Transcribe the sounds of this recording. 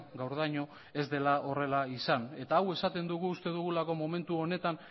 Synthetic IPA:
ɡawɾð̞ajɲo̞ | e̞zd̪e̞lao̞re̞laisane̞t̪aːwe̞sat̪e̞nd̪uɣ̞uːst̪e̞ðuɣ̞ulako̞mo̞me̞nt̪uo̞ne̞t̪an

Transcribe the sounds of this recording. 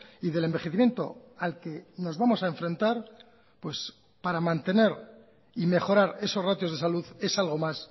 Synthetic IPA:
iðe̞le̞mbe̞xe̞θimje̞nt̪o̞̰ | alke̞no̞zβamo̞saeɱfɾẽ̞nt̪aɾ | pwe̞s | paɾamãnt̪e̞ne̞ɾ | ime̞χo̞ɾaɾe̞so̞srat̪jo̞zðesaluðe̞salɣ̞o̞mas

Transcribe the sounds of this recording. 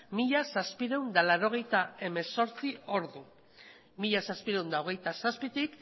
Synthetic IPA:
miʎasaspiɾewnd̪alaɾo̞ɣ̞e̞jt̪ae̞me̞so̞ɾt͡sio̞ɾðu | miʎasaspiɾewnd̪ao̞ɣ̞e̞jt̪asaspit̪ik

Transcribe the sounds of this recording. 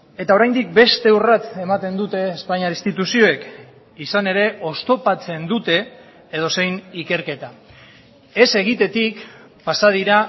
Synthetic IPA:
e̞t̪ao̞ɾajnd̪ik̚be̞st̪e̞urat͡s̪e̞mat̪e̞nd̪ut̪e̞ːspaɲaɾist̪it̪usio̞ek | isane̞ɾe̞ʔo̞st̪o̞pat͡se̞nd̪ut̪e̞ː | ð̞o̞se̞jnike̞ɾke̞t̪a | e̞se̞ɣ̞it̪e̞t̪ik | pasað̞iɾa

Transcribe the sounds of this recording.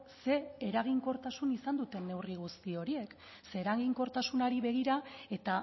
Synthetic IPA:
se̞ːɾaɣ̞iŋko̞ɾt̪asunisand̪ut̪e̞nːe̞wriɣ̞ust̪io̞ɾie̞k | se̞ːɾaɣiŋko̞ɾt̪asunaɾiβe̞ɣ̞iɾae̞t̪a

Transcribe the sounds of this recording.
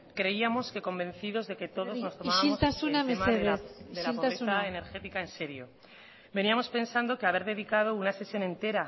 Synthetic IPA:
kɾe̞iamo̞ske̞ko̞mbẽ̞n̟θiðo̞zðe̞ke̞t̪o̞ðo̞zno̞st̪oβailotsasunamemaed̪elapoɾeθaene̞ɾxe̞t̪ikaense̞ɾjo̞̰ | be̞niamo̞spe̞nsand̪o̞keaβ̞e̞ɾðe̞ðikað̞o̞unase̞sjo̞nẽ̞nt̪e̞ɾa

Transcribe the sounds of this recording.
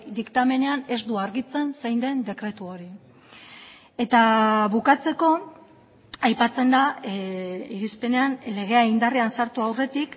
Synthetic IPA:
d̪ikt̪ame̞ne̞ane̞zd̪uaɾɣit͡se̞nsajnd̪e̞nd̪e̞kɾe̞t̪uo̞ɾi | e̞t̪aβukat͡se̞ko̞ | ajpat͡se̞nd̪a | iɾispe̞ne̞anle̞ɣ̞e̞aind̪ariansaɾt̪uawre̞t̪ik

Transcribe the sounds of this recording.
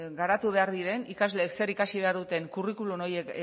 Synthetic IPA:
ɡaɾat̪uβ̞e̞aɾðiɾe̞nikazle̞ːkse̞ɾikasiβ̞e̞aɾðut̪e̞ŋkurikuluno̞je̞k

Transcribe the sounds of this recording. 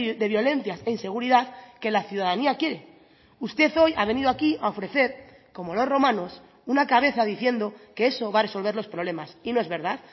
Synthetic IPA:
d̪e̞βjo̞le̞n̟θjase̞inse̞ɣ̞uɾiðaðke̞laθjuðaðaniakje̞ɾe̞ | ust̪e̞θo̞jaβ̞e̞niðoakiaofɾe̞θe̞ɾ | ko̞mo̞lo̞sro̞mãno̞s | unakaβe̞θaðiθje̞nd̪o̞ke̞e̞so̞βare̞so̞lβ̞e̞ɾlo̞spɾoβle̞masino̞e̞zβe̞ɾðað

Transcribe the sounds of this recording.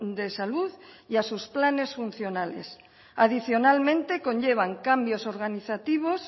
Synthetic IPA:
d̪e̞saluðiasusplane̞sfun̟θjo̞nalḛs | að̞iθjo̞nalmẽnt̪e̞ko̞ɲʎeβ̞aŋkambjo̞so̞ɾɣ̞aniθat̪iβ̞os

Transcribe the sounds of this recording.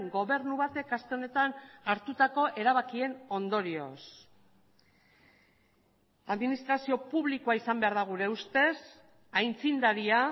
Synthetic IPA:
ŋɡo̞βe̞ɾnuβat̪e̞kast̪e̞one̞t̪anaɾt̪ut̪ako̞ʔe̞ɾaβakie̞no̞nd̪o̞ɾio̞̰s | aðminist̪ɾasio̞puβlikoaisambe̞aɾðaɣ̞uɾe̞ust̪e̞s | ajnt͡sind̪aɾia

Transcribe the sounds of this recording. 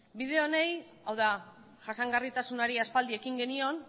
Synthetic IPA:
biðe̞one̞j | awða | ʝasaŋɡarit̪asunaɾiaspald̪ie̞kiŋɡe̞nio̞n

